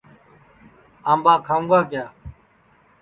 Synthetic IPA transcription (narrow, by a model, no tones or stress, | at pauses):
aːmbaːkʰaːũːŋɡaːkɪjaː